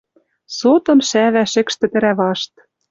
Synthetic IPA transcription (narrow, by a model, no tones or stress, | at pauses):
sot̪ɤ̆mʃæβæʃɘ̆kʃt̪ɘ̆t̪ɘ̆ɾæβɑʃt̪